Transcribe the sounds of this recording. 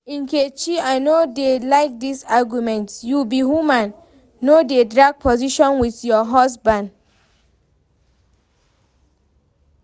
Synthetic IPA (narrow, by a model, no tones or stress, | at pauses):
ĩnket͡ʃiaɪnodelaɪk̚disaɡjumɛ̃ntsjubiɦumãnː | odedɹaɡ̚pʰɔziʃɔ̃nwiθjɔɦɔsbãnd